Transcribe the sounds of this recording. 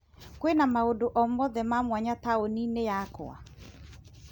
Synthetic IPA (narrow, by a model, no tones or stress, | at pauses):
kwenamaodoʔɔmɔðɛmamwaɲataoninejako̰a̰